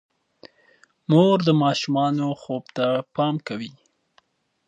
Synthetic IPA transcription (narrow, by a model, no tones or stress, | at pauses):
moɾd̪əmɑʃumɑnoxobt̪apɑmkawi